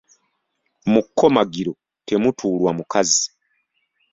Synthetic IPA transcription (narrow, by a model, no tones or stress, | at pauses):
mukːo̞maɡiɾo̞ | tʰe̞mutʰuːlwamukʰazi